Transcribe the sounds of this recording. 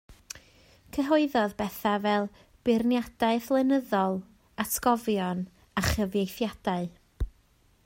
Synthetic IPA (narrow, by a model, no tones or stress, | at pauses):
kʰəɦoɨðɔðbɛθavɛlˠ | b̥ɪrnjad̥aɨθlˠɛnəðɔlˠ | atʰɡɔvjɔn | aχəvjejθjad̥aɨ